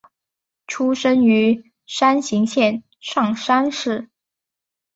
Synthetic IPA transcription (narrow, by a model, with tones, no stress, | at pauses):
ʈ͡ʂʰu˥ʂə˥ny˧˥ | ʂa˥nɕi˧˥ŋɕjɛ˥˩n | ʂɑ˥˩ŋʂa˥nʂɻ̩˥˩